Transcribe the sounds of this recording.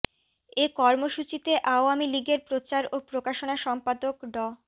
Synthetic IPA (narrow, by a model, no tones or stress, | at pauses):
ekɔɾmoʃut͡ɕit̪eʔaoamiliɡeɾpɾot͡ɕaɾopɾokaʃonaʃɔmpad̪okɖɔ